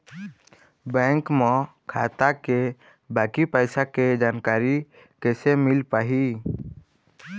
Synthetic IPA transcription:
bɛ̃ːŋkmɔ̃kʰaːt̪ake | baːkipəɪsaked͡ʒaːnkaːɾi | kɛːsemɪlpaːɦi

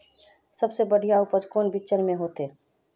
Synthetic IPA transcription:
sɐbsebɐɽijaʊpəd͡ʒkoːnbɪt͡ʃəɾmẽɦoːt̪eː

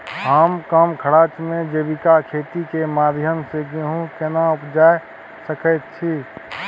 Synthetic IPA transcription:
ɦəmkəmkʰəɽaːt͡ʃmẽd͡ʒeːbikakʰeːt̪ikemaːd̪ʱjəmseɡeɦũkenaʊpd͡ʒaːe | səkət̪t͡ʃʰi

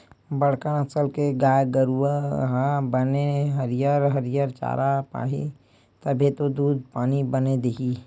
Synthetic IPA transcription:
bəɽ̤kənəsəlkeɡaːjɡəɾuəɦãbəneɦəɾijəɾɦəɾijəɾt͡ʃa̰ːɾapa̰ːɦḭ | t̪əbʱet̪od̪uːd̪̚ʱpaːnibəned̪eɦi

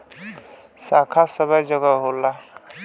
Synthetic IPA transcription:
sakʰasəbʱəjd͡ʒəɡəɦola

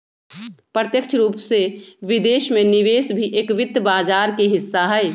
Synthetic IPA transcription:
pɾət̪jəkt͡ʃʰɾuːpseʋɪd̪eːʃmẽnɪʋeːsbʱiʔeːkʋɪd̪ʱbaːd͡ʒaːɾkeɦɪsːaɦɛj

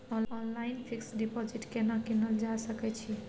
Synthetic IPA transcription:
ɔɔnlainpʰiksɖipod͡ʒiʈkenəkinəld͡ʒasəkɛt͡ʃʰi

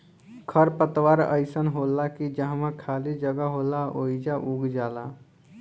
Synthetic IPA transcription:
kʰəɾpət̪waːɾə̰ɪsənɦoːlakid͡ʒə̃ɦmãkʰaːlid͡ʒəɡaɦoːlaoːid͡ʒaʔuɡd͡ʒaːlaː

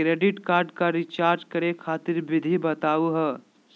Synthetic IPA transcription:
kɾeːɖɪʈkaːɾɖkaɾɪt͡ʃaːɾd͡ʒkɐɾekʰaːt̪ɪɾʋɪd̪ʱibɐt̪aːuɦɛ

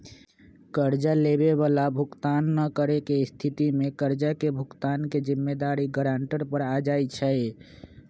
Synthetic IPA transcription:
kəɾd͡ʒalebeβalabʱukt̪anːəkəɾekeist̪ʰit̪imekəɾd͡ʒakebʱukt̪anked͡ʒimːed̪aɾiɡəɾaɳʈəɾpəɾad͡ʒajt͡ʃʰəj

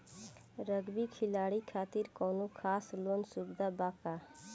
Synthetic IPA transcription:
ɾəɡbikʰɪlaːɽikʰaːt̪iɾkɔːnokʰaːsloːnsubd̪ʱabaːka

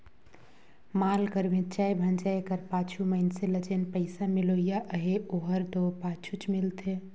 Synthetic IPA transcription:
malkəɾmet̪t͡ʃajbʱənd͡ʒaekəɾpat͡ʃʰuməɪnseləd͡ʒenpəɪsamiloijaʔəɦeoɦəɾt̪opat͡ʃʰut͡ʃmilt̪ʰe

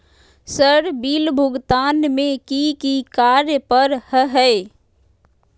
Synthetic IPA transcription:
səɾbiːlbʱʊɡt̪aːnmẽkikikaːɾjəpəɾhəɦɛe

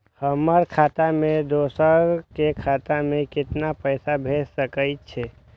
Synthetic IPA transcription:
həməɾkʰaːt̪amẽd̪oːsəɾkekʰaːt̪amẽkɪt̪napəɪsabʱeːssəkəɪtt͡ʃʰe

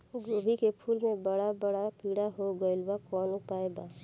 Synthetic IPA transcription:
ɡoːbʱikepʰuːlmẽbəɽabəɽapiːɽaɦoɡəɪlbakɔːnʊpaːeɡaː

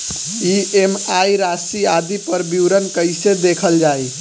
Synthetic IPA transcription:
iemajɾasiad̪ipəɾbiwɾənkəɪsed̪ekʰəld͡ʒaj

